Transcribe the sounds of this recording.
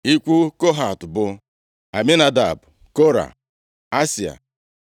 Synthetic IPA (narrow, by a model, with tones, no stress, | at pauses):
i˦kʷu˦ko˦ɦa˨tʊ˨bʊ˦ | a˨mi˦na˨da̰˨b | ko˦ɾa̰˨ | a˦si˨a̰˨